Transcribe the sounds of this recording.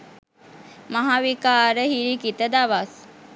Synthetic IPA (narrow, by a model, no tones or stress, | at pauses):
maɦaʋikaːɾəhiɾikit̪əd̪aʋas